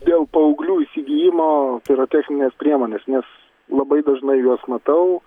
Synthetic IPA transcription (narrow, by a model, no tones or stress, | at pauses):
d̪ʲeːlˠpɐʊɡlʲuːisʲɪɡʲijɪmoːt̪ɐɪɾɐt̪ʲæxʲnʲɪnʲeːspʲɾʲiɛmoːnʲeːsnʲɛs | lˠɐbɐɪd̪ɐʒnɐɪjuɔsmɐt̪ɐʊ